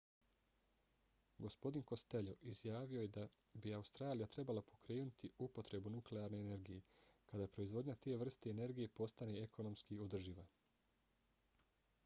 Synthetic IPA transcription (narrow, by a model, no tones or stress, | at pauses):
ɡo̞spo̞d̪inko̞st̪e̞ʎoʔizjaːʋio̞jed̪a | biaust̪ɾaːlijat̪ɾe̞balapʰo̞kɾeːnut̪ʰiupo̞t̪ɾe̞bunukleaɾne̞ːne̞ɾɡije̞kad̪apɾo̞izʋo̞d̪ɲat̪eeʋr̩st̪e̞ːne̞ɾɡije̞po̞st̪ane̞ekʰo̞no̞mskio̞d̪r̩ʒiʋa